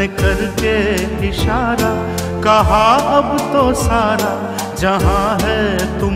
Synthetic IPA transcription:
ekɐɾkeɪʃaːɾa | kɐɦaɐbt̪osaːɾa | d͡ʒɐɦãɦɛt̪ʊ

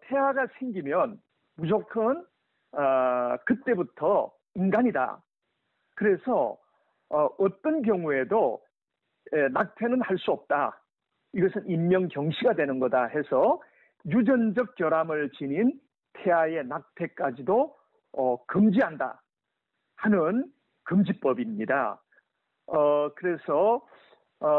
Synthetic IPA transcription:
tʰe̞waɡasʰeŋɡimjʌn | mud͡ʑokʰɯn | kɯt͈e̞butʰʌ | inɡaɲida̰ | kɯɾe̞sʰʌ | ʌt͈ʌnk̬jʌŋue̞do | enak̚tʰenɯnhaɭs͈uʌp̚t͈a | iɡʌsʰɯnimːjʌŋkjʌŋɕʰiɡadwe̞nɯnɡʌdahe̞sʰʌ | jud͡ʑʌnd͡ʑʌk̚k͈jʌɾamɯɭt͡ɕinin | tʰe̞aje̞nak̚tʰe̞k͈ad͡ʑido | ʌkɯmd͡ʑiɦanda̰ | hanɯn | kɯmd͡ʑip͈ʌbimɲida̰ | ʌkɯɾe̞sʰʌ

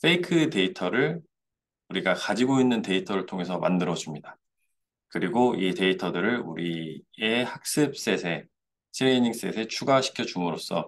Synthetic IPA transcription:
fʰeikʰɯte̞itʰʌɾɯɭ | uɾiɡakad͡ʑiɡoinːɯnte̞itʰʌɾɯɭtʰoŋe̞sʰʌma̰ndɯɾʌd͡ʑumɲida | kɯɾiɡoite̞itʰʌdɯɾɯɭṵɾiehak̚s͈ɯp̚s͈e̞sʰe̞ | tʰiɾiɲiŋs͈e̞sʰe̞t͡ɕʰuɡaɕʰi̥kʰjʌd͡ʑumɯɾos͈ʌ̰

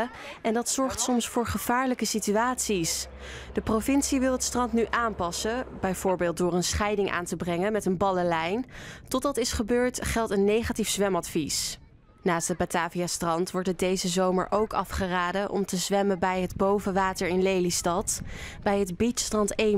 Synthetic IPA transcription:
ɛndɑtsɔɹχtsɔmsfʊːɹχəv̥aːɹləkəsityaːtsis | d̥əprovɪnsiʋɪlˠətstrɑntnyʔaːmpɑsəbɛjv̥ʊːɹbɪːlˠt̚dʊːɹənsχɛjdɪŋʔa̰ːntəbrɛŋənmɛtənbɑləlɛjntɔtdɑtɪsχəbøːɹtχɛlˠtənːejχatifz̥ʋɛmɑtfis | naːstəbataːvijastrɑntʋɔɹtədejzəzowmə̰ɹʔowkɑfχəraːdəʔɔ̰mtəzʋɛməbɛjɦədbowvəʋaːtəɹɪnlejlistɑtb̥ɛjɦədbitstrɑnte

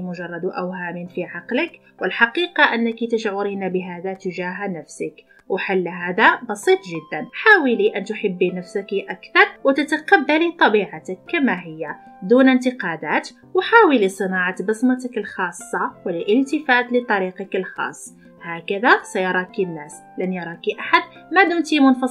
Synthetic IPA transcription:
mʊʒɑrˤːɑd̪wʔæwhaːminfiʕɑqlək | wəlħɑqiːqɑʔənːəkit̪əʃʕʊɾiːnabəɦaːd̪at̪ʊʒaːɦnæfsək | wħalːɦaːd̪abɑsˤiːt̪ˤʒɪd̪ːanħaːwiliʔænt̪ʊħabːinæfsakiʔækθɑɾˤwt̪at̪aqabːalit̪ˤɑbiːʕat̪əkːamaɦɪjːa | d̪unənt̪əqɑd̪æt̪ | wħaːwilisˤɨnɑʕat̪bəsˤmɑt̪əkəlxɑːsˤːɑwəlʔəlt̪əfæːt̪lət̪ˤːɑɾiqɑkəlxɑ̰ːsˤː | hækəðasæjɑɾˤɑkinːæːs | lænjɑɾˤɑkiʔaħad̪mad̪uːnt̪imʊnfɑ

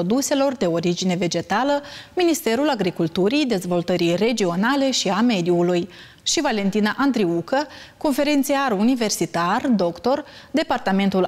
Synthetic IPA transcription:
od̪use̞lo̞rd̪e̞o̞ɾid͡ʒine̞ve̞d͡ʒe̞t̪aləminist̪e̞ɾulaɡɾikult̪uɾijd̪e̞zvo̞lt̪əɾijre̞d͡ʒio̞nale̞ʃiame̞d̪iuluj | ʃivale̞nt̪inaʔand̪ɾiukə | ko̞nfe̞ɾe̞nt̪siarunive̞rsit̪ard̪o̞kt̪o̞rd̪e̞part̪ame̞nt̪ul

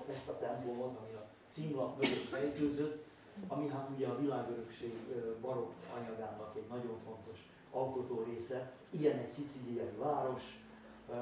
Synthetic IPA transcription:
ɛst̪ɒt̪ɛmpolvɒt̪ɒmiɒ | t̪simlɒkmøɡøt̪fɛjt̪øːzøt̪ː | ɒmiɦat̪uɟɛɒvilaːɡøɾø̞kʃeːɡbɒɾo̞kɒ̰ɲɒɡaːnɒkɛɟnɒɟo̞ɱfo̞nt̪o̞ʃ | ɒlko̞t̪oːɾeːsɛ | ijɛnɛcsit̪silijɒjivaːɾo̞ʃ

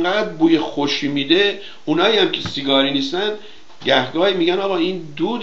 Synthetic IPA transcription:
ɡæːd̪buːjexoʃiːmiːd̪e̞ | unɒːjiːæmcʲʰe̞siɡɒːɾiːniːst̪æn | ɟæhɡɒːhimiːɟænɒːɣɒːiːnd̪uːd̪

